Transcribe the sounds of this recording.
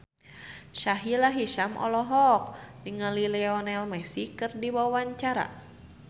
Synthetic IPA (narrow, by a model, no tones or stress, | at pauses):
ʃaɦilaɦiʃamʔɔ̰lɔɦɔk̚niŋalilɛɔnɛlmɛsikɨrdiwawwaɲt͡ʃaɾa̰